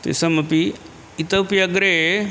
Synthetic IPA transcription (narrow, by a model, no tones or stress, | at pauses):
t̪ḛsɐmɐpi | it̪əwpiɐɡɾe